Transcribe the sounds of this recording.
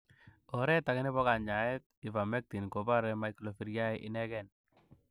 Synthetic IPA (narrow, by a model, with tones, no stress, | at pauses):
ɔ˨ɾɛ˦ta˨kɪ˦nɪ˦bɔ˦ka˨ɲa˨ɛ˦t̪̚ɪ˨va˨mɛ˦k̚ti˨nko˨ba˦ɾɛ˦ma˨iklo˨fi˦ɾja˦ɪ˦ʔɪ˦nɛ˦ɡɛ˦˨n